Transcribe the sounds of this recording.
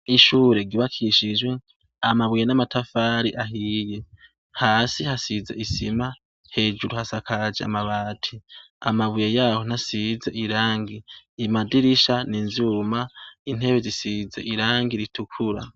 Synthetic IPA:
iʃuːɾe̞ɡiβakʰiʃid͡ʒwe̞ | amaβujenamatʰafaːɾiʔaɦiːje̞ | haːsihasizḛʔisima | he̞ːd͡ʒuɾuhasakʰad͡ʒḛa̰maβaːtʰi | a̰maβujejaːho̞n̥asize̞ʔiɾaːŋɡiːmadiɾiʃaninzumain̥he̞βezisize̞̰ʔiɾaːŋɡiɾitukʰuɾa̰

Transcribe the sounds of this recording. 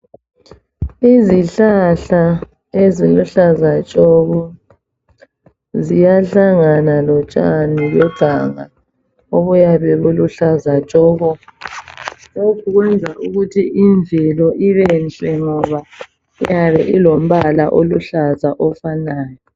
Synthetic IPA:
iziɬaɬa | eziluɬazat͡ʃʼɔɣɔ | zijaɬaŋanalɔt͡ʃʼanijɔɡ̥ʱaŋa̰ | oβujaβɛβuluɬazat͡ʃʼɔːɣɔ | lokʰuɣwɛnd͡zʱaʔuɣutʰiʔiɱvʱilɔʔiβɛnt͡ɬʼɛŋɔβa | ijaβɛʔilom̩βalaʔoluɬazaʔɔfanaːjɔ

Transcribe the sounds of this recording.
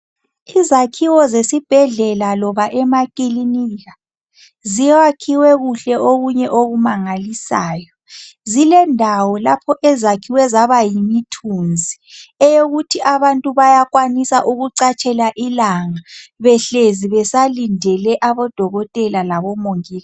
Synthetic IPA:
izakʰiwɔzesib̥ʱɛɮɛlalɔβaʔɛmakʼiliniɣa | zijwakʰiwɛɣuɬɛʔoɣuɲɛʔoɣumaŋalisa̰ːjɔ | zilɛndʱawɔlapʰɔʔɛzakʰiwɛzaβajimitʰund͡zʱiɛjoɣutʰiʔaβantʼuβajakwanisaʔuɣuǀat͡ʃʼɛlaʔilaŋaβɛɬeziβɛsalindʱɛlɛʔaβɔd̥ʱɔɣɔtʼɛlalaβɔmoŋiːla

